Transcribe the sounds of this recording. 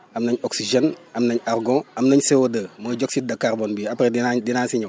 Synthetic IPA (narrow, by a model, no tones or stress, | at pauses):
ɐmnɐɲɔksiʒenɐmnɐɲarɡɔ̃ɐmnɐɲsewodəːməːɟɔksit̚dɐkːarbonbiapɾedinadinaːnsiɲɐw